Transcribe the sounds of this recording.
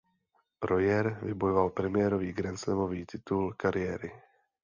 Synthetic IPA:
ɾo̞jɛɾvɪbojovalpɾɛmɪjɛːɾo̞viːɡɾɛnt͡slɛmo̞viːt̪ɪt̪ulkaɾɪjɛːɾɪ

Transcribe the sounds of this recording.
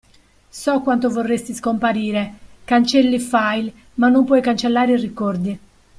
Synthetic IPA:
sɔkwant̪ovorːest̪iskompaɾiːɾekant͡ʃɛlːifajl | manːompwɔjkant͡ʃelːaːɾirikɔrd̪i

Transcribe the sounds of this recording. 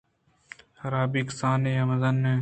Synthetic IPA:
hɐɾaːbiːksaːneːɐmɐzɐnːe

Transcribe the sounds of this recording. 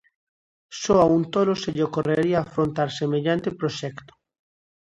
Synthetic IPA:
soaunt̪oloseʎokoreɾiaːfɾont̪aɾsemeʎant̪epɾoʃɛkt̪o̥

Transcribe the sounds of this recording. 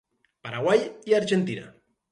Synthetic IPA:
paɾaɣwajiaɾʒent̪ina̰

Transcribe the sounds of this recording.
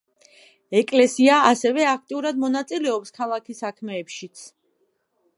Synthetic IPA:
ɛkʼlɛsiaasɛvɛak̚ʰt̪ʼiuɾad̪mɔnat̪sʼilɛɔpskʰalˠakʰisakʰmɛːpʃit̪sʰ

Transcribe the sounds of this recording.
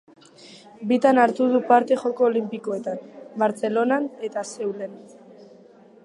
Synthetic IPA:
bit̪anaɾt̪uð̞upaɾt̪e̞χo̞koːlimpiko̞e̞t̪anbaɾt͡se̞lo̞nane̞t̪ase̞wle̞n

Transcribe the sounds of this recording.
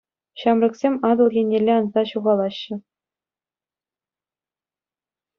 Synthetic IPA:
ɕɑmrɤ̆ksʲemʲɑd̪ɤ̆lˠɣʲenʲːelʲeɑnzɑɕuʁɑlˠɑɕːɘ̆

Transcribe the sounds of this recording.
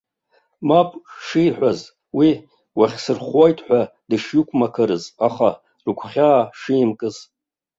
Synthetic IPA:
mapʼʂiħʷᶣaz | wi | waχʲsɨrχwojtʼħʷᶣadɨʂjɪkʷʰʼmakʰɨɾɨzaχa | rɨkʷʰχʲaːʂiːmkʼɨz

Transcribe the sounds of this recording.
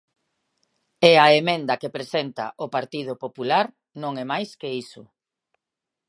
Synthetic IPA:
eaemẽnd̪ɐkepɾesent̪a̰ʔopaɾt̪ið̞ʊpopulaɾ | nõŋɛmajskeisʊ

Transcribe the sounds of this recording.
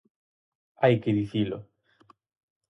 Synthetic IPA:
ajkeðiθilo̰

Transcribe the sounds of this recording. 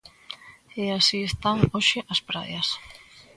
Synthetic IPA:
easiest̪aŋoʃeʔɐspɾa̰ðjɐs

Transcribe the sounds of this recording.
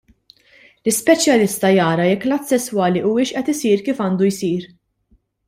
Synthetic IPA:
lɪspɛt͡ʃjɐlɪst̪ɐjɐːɾɐjɛkːlɐːt̪ːsɛsːwɐːliʔuːɪʃʔɛt̪ɪsiːɾkiːfɐːnd̪ujsiːɾ

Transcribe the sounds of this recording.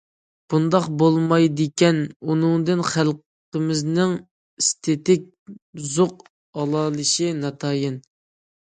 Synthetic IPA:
b̥und̪ɑqbolˠmɑjd̪ɨkʲɛnunɨŋd̪ɨnχælˠq | əmɪznɪŋ | ist̪ʰet̪ɪk̚ʲ | zoq | ɑlˠɑːlˠɨʃinɑt̪ʰɑːjɪn

